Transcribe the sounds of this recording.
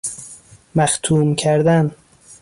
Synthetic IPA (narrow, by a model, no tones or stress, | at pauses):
mæxt̪ʰuːmcʰæɾd̪æn